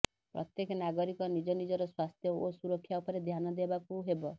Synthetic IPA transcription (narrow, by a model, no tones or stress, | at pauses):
pɾɔ̰t̪jekɔnaɡɔɾikɔnid͡ʒɔnid͡ʒɔɾɔswast̪ʰjɔosuɾɔkʰːjaupɔɾed̪ʱjanɔd̪ebakuɦebɔ